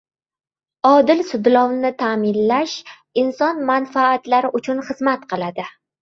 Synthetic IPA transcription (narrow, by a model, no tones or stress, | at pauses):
ɒd̪ɪlsʊd̪lɒwnɪt̪ʰamɪnlaʃ | ɪnsɒnmanfaːt̪laɾɪʔʊt͡ʃʰʊnχɨzmat̪qʰɨlˠad̪ɪ